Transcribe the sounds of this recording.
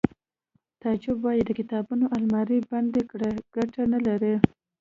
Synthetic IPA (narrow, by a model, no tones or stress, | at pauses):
t̪ɑd͡ʒɪbwɑjid̪ːəkɪt̪ɑbunoʔalmɑɾiband̪ekɽeɡ̥aʈanalaɾi